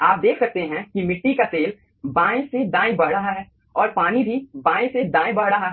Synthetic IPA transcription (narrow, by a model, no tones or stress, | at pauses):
aːp̚d̪eːkʰsɐk̚t̪eɦɛ̃kimɪʈːikat̪eːl | bãːẽsed̪ãːĩbɐɽ̤ɾɐɦaɦɛː | ɔːɾpaːnibʱibãːĩsed̪ãːj̃bɐɦɾɐɦaɦɛ